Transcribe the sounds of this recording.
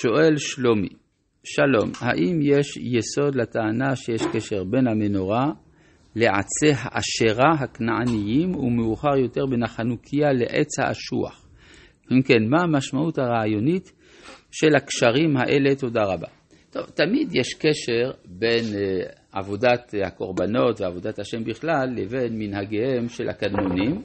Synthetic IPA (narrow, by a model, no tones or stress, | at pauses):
ʃo̞ʔe̞lʃlomḭ | ʃalo̞mha̰ʔimjeʃjeso̞d̪lat̪aːnaʃejeʃkeʃe̞ʁbe̞nhameno̞ʁa | leʕa̰t͡seɦaʔaʃeʁaɦaknaanijimṵmeuχaʁjo̞t̪e̞ʁbenaχanukʰijaleʔḛt͡sha̰ʔa̰ʃṵa̰χ | imke̞nmaamaʃmaʔuthaʁaajo̞nit | ʃelhakʃaʁimhaʔe̞le̞t̪o̞daʁaba̰ | t̪o̞vt̪amid̪jeʃkeʃeʁbe̞nʔavo̞dat̪hako̞ʁbano̞tveavo̞d̪at̪haʃe̞mbiχlalːeve̞nminhaɡehemʃelha̰kad̪nonim